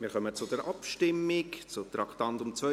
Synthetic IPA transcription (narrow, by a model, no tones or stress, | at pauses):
mɪːɾkœmət͡sʊdɛɾʔɑpʃtɪmːɪkt͡sʊt̪ɾɑkʰtɑntʊmt͡svœ